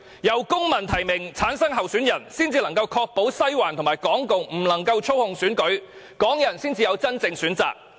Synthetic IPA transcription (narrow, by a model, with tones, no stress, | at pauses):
jɐ˨˩wkʊ˥ŋmɐ˨˩nt̪ʰɐ˨˩jmɪ˨˩ŋt͡sʰaː˨˥nsɐ˥ŋɦɐ˨wsyː˨˥njɐ˨˩nsiː˥nt͡siː˧lɐ˨˩ŋkɐ˧wkʰɔː˧k̚po˨˥wsɐ˥jwaː˨˩nt̪ʰʊ˨˩ŋmaː˨˩jkɔː˨˥ŋko˨˧wm̩˨˩lɐ˨˩ŋkɐ˧wt͡ʃʰo˥whʊ˧ŋsyː˨˥nkɵ˨˥ɥ | kɔː˨˥ŋjɐ˨˩nsiː˥nt͡siː˧jɐ˨˧wt͡sɐ˥nt͡sɪ˧ŋsyː˨˥nt͡sa̰ː˨k̚